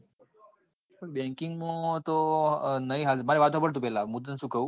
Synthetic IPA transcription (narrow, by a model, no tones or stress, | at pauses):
pəbɛ̃ŋkɪŋɡmũt̪onəĩɦalmaɾiʋat̪oɦpəɽt̪ũpɛlãmud̪nʃũːkəũ